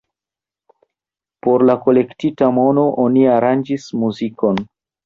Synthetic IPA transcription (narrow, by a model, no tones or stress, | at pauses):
po̞ɾlako̞le̞ktitamo̞no̞ʔoniaɾand͡ʒismuziko̞n